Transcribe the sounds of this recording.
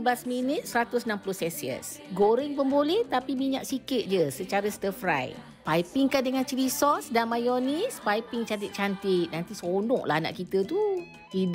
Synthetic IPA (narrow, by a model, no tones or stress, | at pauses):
blasminət̪̚səɾat̪ʊsənampulʊhsɛsiə̰s | ɡoɾɪŋpəmbolɛht̪apimiɲaʔ̚sikɪt̪̚d͡ʒəsət͡ʃaɾəst̪əfɾa̰j | pajpɪŋkadəŋant͡ʃəɾisɔsdanmajɔnispajpɪŋt͡ʃant̪̬it̪̚t͡ʃant̪ɪt̪̚nãnt̪isonɔ̰̃ʔla̰hna̰ʔkit̪ət̪u | t̪id